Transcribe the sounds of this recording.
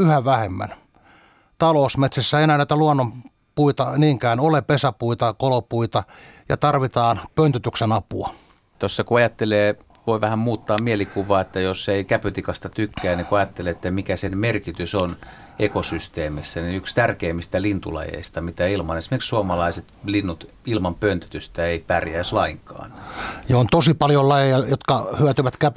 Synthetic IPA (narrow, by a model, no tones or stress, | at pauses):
yhæʋæhemːæ̰n | t̪ɑlousmet̪sæsːæeinæːnæˑit̪æluonːom | puit̪ɑniːŋkæːnolepesæpuit̪ɑkolopuit̪ɑjɑ̰t̪ɑrʋit̪ɑːnpønt̪yt̪yksenɑpuɑ | t̪osːɑkuɑjɑt̪ːeleː | ʋoiʋæhæmmuːt̪ːɑːmmielikuʋˑɑːet̪ːæjoseikæpøt̪ikɑst̪ɑt̪ykːæːnikuɑjɑt̪ːeleːet̪ːæmikæsenmerkit̪yson | ekosyst̪eːmisːæniykst̪ærkeːmːist̪ælint̪ṵlɑ̰jḛist̪ɑmit̪æilmɑnesimerksuomɑlɑiset̪linːut̪ | ilmɑmpønt̪ø̥t̪yst̪æeipærjæːslɑiŋkɑ̰ːnjɑont̪osipɑljolɑjejɑjot̪kɑhyøt̪yʋæt̪kæp